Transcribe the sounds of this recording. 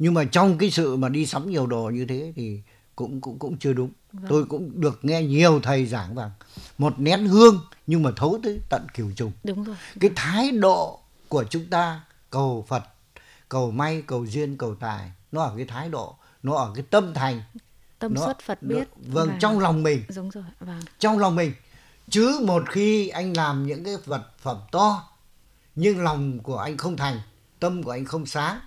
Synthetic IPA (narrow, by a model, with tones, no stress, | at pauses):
ɲɨ˧ŋmaː˨˩t͡ɕɔ˧wŋ͡mk̬aː˨˦jsɨ̰˧˨maː˨˩ɗi˧sa˨˦wŋ͡mɲi˨˩əwɗo̰˨˩ɲɨ˧t̪ʰe˨˦t̪ʰi˨˩ | kʊ̰˧˥ŋ͡mkʊ̰˧˥ŋ͡mkʊ̰˧˥ŋ͡mt͡ɕɨ˧əɗʊ˨˦ŋ͡m | t̪o˧jkʊ̰˧˥ŋ͡mɗɨ˨˩ək̚ŋɛ˧ɲi˨˩əwt̪ʰə˨˩jzaː˧˩ŋvaː˨˩ŋmo˨˩t̚nɛ˨˦˥nhɨ˧əŋɲɨ˧ŋmaː˨˩t̪ʰo˨˦t̪ɨ˨˦t̪ə̰˧˨nki˧˩əwt͡ɕʊ˨˩ŋ͡mkaː˨˦jt̪ʰaː˨˦jɗo̰˧˨ | ku˧˩ət͡ɕʊ˨˦ŋ͡mt̪aː˧ | kə˨˩wfə˨˩t̚ | kə˨˩wma˧jkə˨˩wzi˧ənkə˨˩wt̪a̰ː˧˨˩jnɔ˨˦ʔəː˧˩kaː˨˦jt̪ʰaː˨˦jɗo̰˧˨ | nɔ˨˦ʔəː˧˩kaː˨˦jt̪ə˧mt̪ʰa˨˩jŋ̟˧ | nɔ˨˦˥ə˨˩t̚tvə˧ŋt͡ɕɔ˧wŋ͡mlɔ˨˩wŋ͡mmï˨˩ŋ̟˧˨˧t͡ɕɔ˧wŋ͡mlɔ˨˩wŋ͡mmï˨˩ŋ̟ | t͡ɕɨ˨˦mo˨˩t̚xi˧ʔa˧jŋ̟laː˨˩mɲɨ̰˧˥ŋkaː˨˦jvə˨˩t̚fə˧˩mt̪ɔ˧ | ɲɨ˧ŋlɔ˨˩wŋ͡mku˧˩əʔa˧jŋ̟xə˧wŋ͡mt̪ʰa˨˩jŋ̟ | t̪ə˧mku˧˩əʔa˧jŋ̟xə˧wŋ͡msaː˨˦